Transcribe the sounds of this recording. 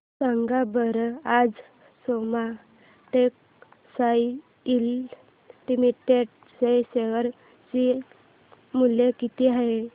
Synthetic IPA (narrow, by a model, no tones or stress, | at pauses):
saŋɡabəɾad͡z | soma | ʈek̚ | saj | il | limiʈeɖ | sajseʋəɾ | t͡ɕi | mulekit̪iaɦe